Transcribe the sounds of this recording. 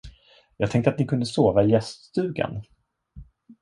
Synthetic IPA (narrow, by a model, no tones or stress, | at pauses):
jɑːɡt̪ʰɛŋkt̪at̪̚nɪkʰɵnd̪əsoːvaɪjɛst̪st̪ʉ̟ːɡa̰n